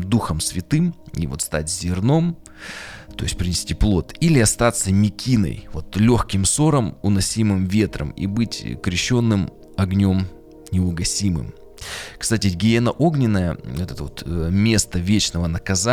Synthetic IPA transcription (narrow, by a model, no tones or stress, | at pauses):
md̪uxəmsvʲɪt̪ɨmḭvo̞̰t̪st̪a̰tʲzʲɪrno̞m | t̪o̞jɪsʲt̚ʲpɾʲɪnʲɪsʲtʲiplˠo̞t̪ilʲɪɐst̪at̪səmʲɪkʲinə̰jvo̞t̪lʲo̞xkʲɪmso̞ɾəmʊnɐsʲimɨmvʲe̞t̪ɾə̰mḭbɨtʲkɾʲɪɕːo̞nːɨm | ɐɡnʲo̞m | nʲɪʊɡɐsʲimɨ̰m | kst̪atʲɪɡʲɪenəʔo̞ɡnʲɪnːəjə̰ɛt̪ət̪əvot̪mʲe̞st̪əvʲet͡ɕnəvənəkɐza